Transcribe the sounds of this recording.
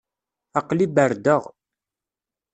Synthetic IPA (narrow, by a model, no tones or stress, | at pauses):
ɑqlibəɾd̪əʁ